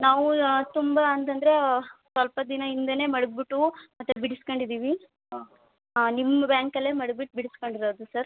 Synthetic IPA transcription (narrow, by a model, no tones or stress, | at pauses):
naːʋut̪umbɐːnt̪ɐnd̪ɐɾe̞sʋɐlpɐd̪inɐind̪ɐne̞ːmɐɽuɡ̚biʈːumɐt̪ːubiɽiskoɳɖid̪iːʋi | nimːɐbjaːŋkɐlːemɐɽubiʈːbiɽiskoɳɖiɾoːd̪usɐɾ